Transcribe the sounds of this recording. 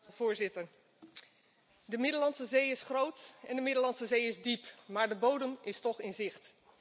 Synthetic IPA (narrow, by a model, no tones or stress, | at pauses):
vʊːɹzɪtəɹ | dəmɪdəlɑnsəzejɪsχrowtɛndəmɪdəlɑnsəzejɪzdipmaːɹdəbowdəmɪstɔχɪnzɪχt